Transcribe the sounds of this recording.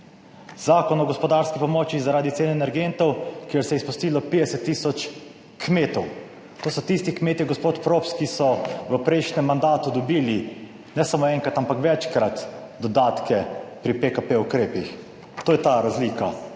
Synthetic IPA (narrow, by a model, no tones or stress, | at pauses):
z̥aːkɔnɔɡɔspɔd̪aːɾskipɔmɔt͡ʃizaɾaːd̪it̪seːnɛnɛɾɡent̪ɔwkieɾsɛjɛispust̪iːlɔpeːd̪ɛsɛt̪ːiːsɔt͡ʃ | kmeːt̪ɔw | t̪oːsɔt̪ist̪ikmeːt̪iɡɔspoːt̪pɾopskisɔʋəpɾɛjʃnɛmːand̪aːt̪ud̪ɔbiːli | nɛsamoɛŋkɾat̪ampakʋɛt͡ʃkɾat̪d̪ɔd̪aːt̪kʰɛpɾipekapeukɾeːpix | t̪oːjɛt̪aɾazliːka